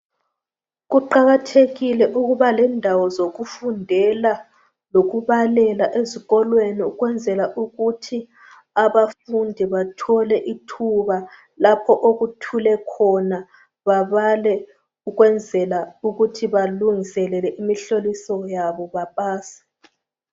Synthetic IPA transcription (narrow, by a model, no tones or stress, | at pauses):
ɣuǃaɣatʰeɣilɛʔuɣuβalɛndʱawɔzoɣufundʱɛla | loɣuβalɛlaʔeziɣɔlweniuɣwɛnd͡zʱɛlaʔuɣutʰi | aβafundʱiβatʰɔlɛʔitʰuβa | lapʰɔʔoɣutʰulɛkʰɔna | βaβalɛ | uɣwɛnd͡zʱɛlauɣutʰiβaluŋisɛlɛlɛʔimiɬolisɔjaβɔβapʼaːsḁ